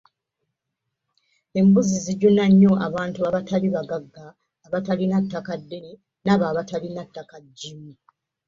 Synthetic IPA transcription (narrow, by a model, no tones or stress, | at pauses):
e̞mbuziziɟonaɲːo̞ʔaβaːntuaβataliβaɡaɡːaː | βatalinatːakadːeni | naβaːβatalinatːakaɟːimu